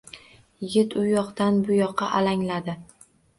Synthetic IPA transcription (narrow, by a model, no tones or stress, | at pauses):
jɪɡʲɪt̪ʊjɒqt̪anbʊjɒqʰːɑʔalaŋlad̪ɪ